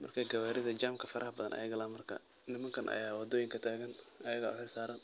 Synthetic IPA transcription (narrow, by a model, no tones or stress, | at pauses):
mɐrkʰɐɡɐwaːɾɪðɐd͡ʒaːmkʰɐfɐɾʔɐhɐbɐðɐ̰nʔɐ̰jɐɣɐlɐmɐrkʰɐ̰ | nɪmɐŋkʰɐnʔɐ̰jaːwɑd̪ɔːjɪŋkʰɐt̪ʰaːɣɐnʔɐjɐɣɐ̰ħɪsaːɾɐn